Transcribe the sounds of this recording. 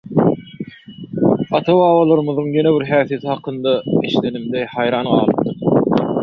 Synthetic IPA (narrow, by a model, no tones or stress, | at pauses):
ɑt̪ʰɑβɑːwɑlˠɑɾɯmɯðɯŋje̞ne̞βiɾɦæːθije̞t̪ʰihɑqʰɯnd̪ɑiʃle̞nimd̪ehɑjɾɑːnɢɑːlˠɯp̚t̪ɯɾ